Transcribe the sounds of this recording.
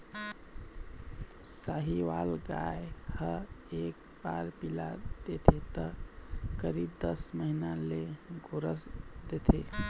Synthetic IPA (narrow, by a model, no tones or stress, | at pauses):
saɦiʋalɡajehəek̚ | baɾpilad̪̥et̪ʰet̪əkəɾibd̪əsməɦinaleɡoɾəsd̪et̪ʰe